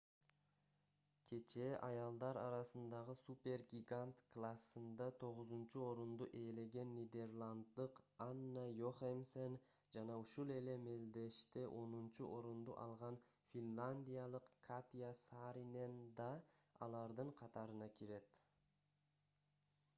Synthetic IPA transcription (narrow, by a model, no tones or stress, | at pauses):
kʲʰe̞t͡ʃe̞ʔɑjɑlˠd̪ɑɾɑ̰ɾɑsɯnd̪ɑʁɯsupʲe̞rɡʲiɡant̪klˠasːɯnd̪ɑt̪ʰo̞ʁʊzunt͡ʃuo̞ɾund̪uʔe̞ːle̞ɡe̞nːid̪e̞rlˠand̪ːɯqanːajoχemsen | d͡ʒɑnɑuʃulˠe̞le̞me̞ld̪e̞ʃt̪eʔo̞nunt͡ʃuʔo̞ɾund̪uʔɑ̰lˠʁɑn | fʲinlˠanʲd̪ʲijalˠɯqkʰat̪ʲijasɑːɾine̞nd̪ɑɑ̰lˠɑɾd̪ɯɴqʰɑt̪ɑɾɯnɑkʰiɾe̞t̪